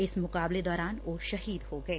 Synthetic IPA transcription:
ɪsmʊkaːbled̪ɔːɾaːnʋoːʃɐɦiːd̪hoːɡɐeː

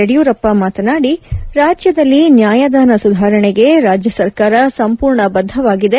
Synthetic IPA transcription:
eɽijuːɾɐpːɐmaːt̪ɐnaːɽiɾaːd͡ʒjɐd̪ɐlːinjaːjad̪aːnɐsud̪ʱaːɾɐɳeɡe̞ɾaːd͡ʒjɐsɐɾkaːɾɐsɐmpuːɾɳɐbɐd̪ʱːɐʋaːɡid̪e̞

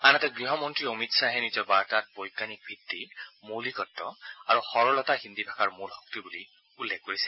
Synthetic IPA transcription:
anatɛɡɹiɦɔmɔntɹiomitsaɦɛnizɔɹbaɹtat̚bɔjkːanik̚bʱitːimolikɔtːɔaɹuxɔɹɔlɔtaɦindibʱakaɹmulhɔk̚tibuli | ulːekkːoɹisɛ

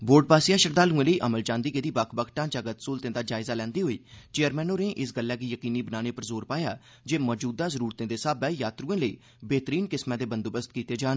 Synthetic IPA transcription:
boːɾɖ̚baːsɪijãːʃəɾd̪aːlũːẽːləiːʔəməlt͡ʃãːnd̪iːɡed̪iːbakʰbəkʰʈãːt͡ʃaːɡət̪soːlt̪ẽːd̪aːd͡ʒaːɪzaːlɛ̃ːnd̪iːɦoːiːt͡ʃeːəɾmɛːnoːnẽːʔɪsɡəlːɛːkiːjəkiːniːbənaːneːpəɾzoːɾpaːjaː | d͡ʒeːmɔːd͡ʒuːd̪aːzəɾuːɾt̪ẽːd̪eːsaːbɛːjaːt̪ɾuːẽːləḭː | beːt̪əɾiːnkɪsmãːd̪eːbənd̪oːbəst̪kiːt̪eːd͡ʒaːn

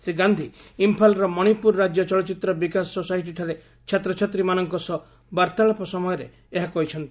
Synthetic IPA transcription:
sɾiɡand̪ʱiːmpʰalɾɔmɔɽ̃ipuɾɾad͡ʒjɔt͡ʃɔlɔt͡ʃit̪ɾɔbikasosajʈ̬iʈʰaɾe | t͡ʃʰat̪ɾɔt͡ʃʰat̪ɾimanɔŋkɔsɔ | baɾt̪aɭɔpɔsɔmɔjɔɾḛ | eɦakɔɦit͡ʃʰɔnt̪i

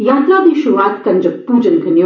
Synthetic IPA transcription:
jaːt̪ɾaːd̪iːʃuɾuʋaːt̪kɐnʲd͡ʒɐpuːd͡ʒɐnɡʰʱɐnjo

